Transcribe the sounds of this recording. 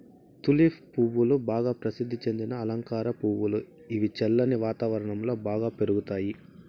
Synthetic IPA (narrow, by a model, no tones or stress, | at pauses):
t̪ulipʰpuːʋulubaːɡaːpɾɐsid̪ʱːit͡ʃe̞nd̪inɐːlɐŋkaːɾɐpuːwulu | iʋit͡ʃɛlːɐniʋaːt̪aːʋɐɾɐɳɐmlo̞ːbaːɡaːpe̞ɾuɡut̪aːji